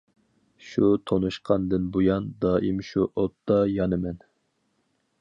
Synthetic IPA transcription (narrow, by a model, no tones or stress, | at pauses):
ʃut̪ʰonuʃqʰɑnd̪ɨnbojɑnd̪ɑːʔimʃuʔot̪ʰːɑjɑnɨmɛn